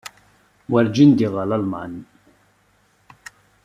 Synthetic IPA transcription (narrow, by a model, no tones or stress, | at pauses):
wæɾd͡ʒind̪iʁɑlalma̰n